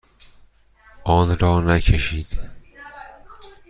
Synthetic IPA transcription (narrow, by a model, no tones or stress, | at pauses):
ʔɒːnɾɒːnæcʰeʃiːd̪̥